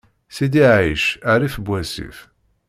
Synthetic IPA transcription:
sid̪iʕiʃæɾifbʷæsḭf

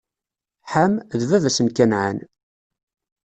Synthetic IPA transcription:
ħamðvævæsəmkænʕa̰n

